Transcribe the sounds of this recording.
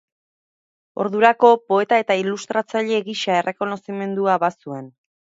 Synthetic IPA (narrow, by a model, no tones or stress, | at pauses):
o̞̰ɾðuɾako̞po̞e̞t̪ae̞t̪ailust̪ɾat͡saʎe̞ɣiʃae̞rʔe̞ko̞no̞sime̞nd̪uaβasue̞n